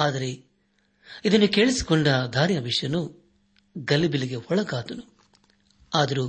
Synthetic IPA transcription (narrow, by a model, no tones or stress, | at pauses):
aːd̪ɐɾe̞ | id̪ɐnːuke̞ːɭisi̥kɔɳɖɐd̪ʱaːɾjɐʋiʂjɐnu | ɡɐlibiliɡe̞hɔɭɐɡaːt̪ɐnu | aːd̪ɐɾu